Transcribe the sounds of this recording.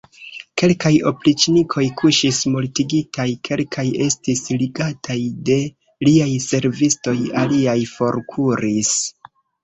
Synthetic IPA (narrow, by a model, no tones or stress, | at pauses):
ke̞lkajo̞̰plit͡ʃnikʰo̞jkʰuʃismultiɡitʰajkʰe̞lkʰaje̞stisliɡatʰajde̞ | liajse̞ɾvisto̞jaliajfo̞ɾkʰuɾis